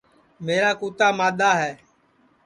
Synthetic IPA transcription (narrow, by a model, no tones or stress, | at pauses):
meːɾaːkuːt̪aːmaːɗ̪aːɦɛː